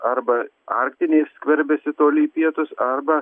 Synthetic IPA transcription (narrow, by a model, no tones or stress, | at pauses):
ɐɾbɐ | ɑ̰ːɾk̚t̪ʲɪnʲeːsʲːkʲʋʲɛɾʲbʲɛsʲɪt̪oːlʲɪːpʲiɛt̪ʊsɐɾbɐ